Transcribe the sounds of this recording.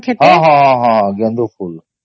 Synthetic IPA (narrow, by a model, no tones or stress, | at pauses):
kʰet̪ɦãːɦãːɦãːɦãːɡɐ̃nd̪ufʰuːl